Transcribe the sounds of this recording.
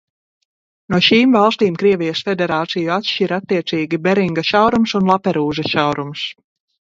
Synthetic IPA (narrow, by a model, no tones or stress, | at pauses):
nuɔʃiːmvɑlˠst̪iːmkɾiɛvʲijəsfʲed̪ʲɛɾaːt̪sijuat̪ʃʲiɾat̪ːiɛt̪siːɡʲibɛɾiŋɡaʃawɾumsunlˠapɛɾuːʒɐʃawɾums